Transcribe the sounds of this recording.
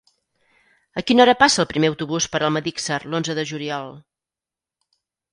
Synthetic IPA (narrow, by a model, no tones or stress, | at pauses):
əkinɔɾəpasəːlˠpɾimeəwt̪uβuspəɾʔəlˠməðiksərlonzəðəʒuliɔlˠ